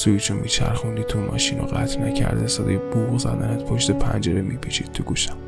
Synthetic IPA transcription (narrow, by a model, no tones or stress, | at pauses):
sujit͡ʃʰumʔiːt͡ʃʰæɾxund̪it̪ʰumʔɒ̰ːʃiːnoɢæt̪ʰnæcʰæ̰ɾd̪esɛd̪ɒjebuːʁzæd̪ænet̪pʰoʃt̪epʰænd͡ʒeɾemipʰit͡ʃʰid̪̚t̪ʰuɡuʃæ̥m